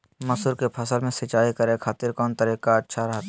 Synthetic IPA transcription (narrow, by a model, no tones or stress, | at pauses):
mɐsuɾkepʰɐsəlmẽsɪt͡ʃaːikɐɾẽkʰaːt̪ɪɾkɔːnt̪ɐɾiːkaɐtːʃʰaɾɐɦt̪